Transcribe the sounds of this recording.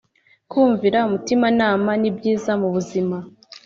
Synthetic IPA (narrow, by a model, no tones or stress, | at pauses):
kuːɱviɾaumutimanaːmanibɟiːzamuβuzima